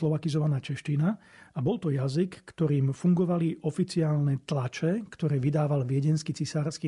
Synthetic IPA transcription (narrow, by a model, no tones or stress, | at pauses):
lɔʋakizɔʋanaːt͡ʃɛʃt͡ʃinaabɔlt̪ɔjazikːt̪ɔɾiːmfuŋɡɔʋaliʔɔfit͡siaːlnɛt̪lat͡ʃɛkt̪ɔɾɛːʋid̪aːʋalʋɪɛɟɛnskit͡sisaːɾski